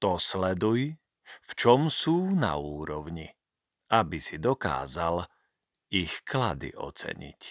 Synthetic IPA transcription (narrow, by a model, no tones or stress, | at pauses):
t̪ɔslɛd̪uj | ft͡ʃɔmsuːna̰uːɾɔʊɲi | ʔabisid̪ɔka̰ːzal | ixkla̰d̪ḭʔɔ̰t͡sɛ̰ɲḭc